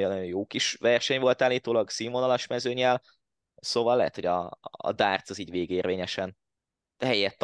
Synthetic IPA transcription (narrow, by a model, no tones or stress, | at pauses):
jonɔjojoːkiʃvɛrʃɛɲvo̞lt̪aːlːiːt̪oːlɒɡsiːmonɒlɒʃmɛzøːɲɛl | soːvɒlːɛ̰ɦɛ̰t̪ho̞ɟɒ̰ːd̪aːrt̪sɒziːɟveːɡeːrveːɲɛʃɛn | d̪̥ɛɦɛjːɛt̪ː